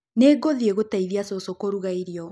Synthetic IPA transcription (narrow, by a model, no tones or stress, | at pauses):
neɡoðieɣotaiðiasosokoɾuɣaiɾiɔ